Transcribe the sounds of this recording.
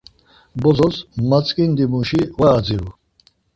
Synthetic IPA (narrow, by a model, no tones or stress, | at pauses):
bɔzɔsmat͡sʼkʼind̪imuʃivaːd͡ziɾu